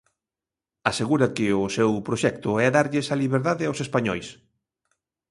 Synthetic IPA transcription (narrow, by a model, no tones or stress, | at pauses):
aseɣuɾɐkɪʊsɛwpɾoʃɛk̚t̪ʊɛaðaɾʎɪsaliβeɾðaðɪawsespaɲɔjs